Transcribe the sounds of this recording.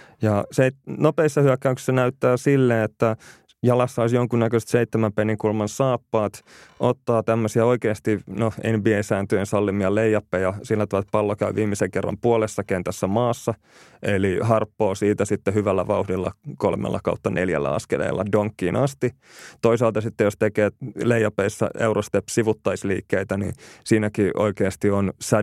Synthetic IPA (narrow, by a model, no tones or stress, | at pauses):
jɑseitnopeisːɑhyækːæyksi̥sːɑnæyt̪ːæːsilːeːet̪ːæ | jɑlɑsːɑoisjoŋkunnækøst̪seit̪ːemæmpenːikulmɑnsɑːpːɑːt̪ʔot̪ːɑːt̪æmːøsiɑoikeːst̪inoenbiesæːnt̪yensɑlːimiɑlejːɑpːejɑsilːæt̪yæt̪̚pɑlːokæyʋiːmːiseŋkerːɑ̰mpuolesːɑkeːnt̪æsːæmɑːsːɑ | elihɑrpːoːsiːt̪æsit̪ːehyʋælːæʋɑuhdilːɑ̰ko̰lmḛlːɑ̰kɑ̰ut̪ːɑnʔḛljæ̰lːæ̰ɑ̰skḛlḛilːɑ̰doŋkːiːnɑst̪i | t̪oisɑːlt̪ɑsit̪ːejost̪ekeːlejːɑpeisːæ̰ewrost̪epːsiʋut̪ːɑisliːkːeit̪ænḭːsiːnækiʔo̰ikeːst̪ionsæ